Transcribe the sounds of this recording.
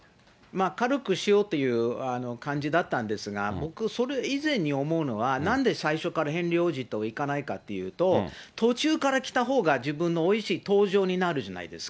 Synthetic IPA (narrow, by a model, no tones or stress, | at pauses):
maːkaɾɯ̟kɯ̟ɕijo̞ːt̪ːe̞jɯ̟ːano̞kãɲ̟d͡ʑid̪at̪ːãnd̪e̞sɨɡa̰bo̞kɯ̟so̞ɾe̞izẽ̞ɲ̟ːio̞mo̞ɯ̟no̞β̞anãnd̪e̞saiɕo̞kaɾaɦẽ̞nɾʲo̞ːʑit̪o̞ikanaikat̪ːe̞jɯ̟̰ːt̪o̞t̪o̞t͡ɕɨːkaɾakʲi̥t̪aɦo̞ːɡad͡ʑibɯ̟̃nːo̞ːiɕiːt̪o̞ːʑo̞ːɲ̟inaɾɯ̟ʑana̰ḭd̪e̞̰sɨ̥ka